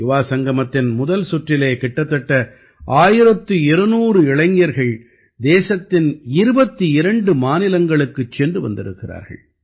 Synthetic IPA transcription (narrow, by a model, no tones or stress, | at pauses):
jʊʋaːsɐŋɡɐmɐt̪ːɪnmʊðɐlsʊʈrɪleːkɪʈːɐt̪ːɐʈːɐ | aːjɪɾɐt̪ːɯɪɾɯnuːɾɯɪɭɐŋjɐɾɣɐɭ | d̪eːsɐt̪ːɪnɪɾɯbɐt̪ːiɪɾɐɳɖɯmaːnɪlɐŋɡɐɭɯkːɯt͡ʃːɛndrɯʋɐ̰nd̪ɪɾɯ̰kːɪra̰ːɾɣɐ̰ɭ